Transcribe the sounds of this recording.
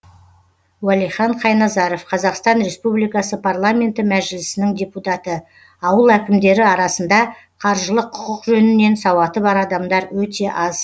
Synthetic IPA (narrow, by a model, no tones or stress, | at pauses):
wælijχɑɴqʰɑjnɑzɑɾo̞fqʰɑzɑqst̪ɑnɾe̞spublijkɑsəpʰarlˠamʲe̞nt̪ɪmæʒɪlɪsɪnɪŋd̪ʲe̞put̪ɑt̪ə | ɑwəlˠækʲɪmd̪e̞ɾɪɑɾɑsənd̪ɑ | qʰɑɾʒəlˠəqʰːʊ̥qəqʒɵnɪne̞nsɑwɑt̪əβɑɾɑd̪ɑmd̪ɑɾwɵt̪e̞ʔɑz